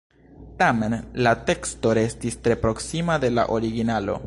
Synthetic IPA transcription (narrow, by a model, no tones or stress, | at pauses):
tame̞nlate̞ksto̞ɾe̞stistɾe̞pɾo̞ksimade̞la̰ʔo̞ɾiɡinalo̞̰